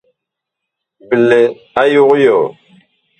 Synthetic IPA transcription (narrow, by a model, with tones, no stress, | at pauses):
bə˨le˨ | a˦ju˦ɣjɔ˨